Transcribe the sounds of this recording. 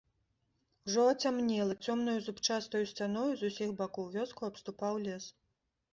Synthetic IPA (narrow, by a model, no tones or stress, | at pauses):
uʐɔɐt͡sʲamnʲɛlˠɐt͡sʲɔmn̪ujuzupt͡ʂast̪ɐjusʲt͡sʲan̪ɔjuzusʲixbakɔwvʲɔskuɐpst̪upawlʲɛs